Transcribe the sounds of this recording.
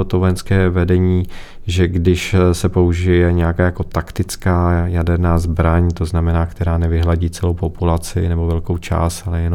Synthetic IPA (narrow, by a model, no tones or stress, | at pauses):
ot̪ovojɛnskɛːvɛdɛɲiː | ʒɛɡdɪʃsɛpo̞uʒɪjɛɲɛjakaːjako̞t̪akt̪ɪt͡skaːjadɛɾnaːzbɾaɲt̪o̞znamɛnaːkt̪ɛɾaːnɛvɪɦlaɟiːt͡sɛlowpo̞pulat͡sɪ̰nɛbo̞vɛlko̞wt͡ʃa̰ːst̪alɛjɛno